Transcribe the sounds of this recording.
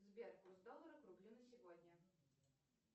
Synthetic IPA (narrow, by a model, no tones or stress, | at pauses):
zbʲerkʊzd̪olˠːəɾəkɾʊblʲinəsʲɪvɔd̪ʲnʲə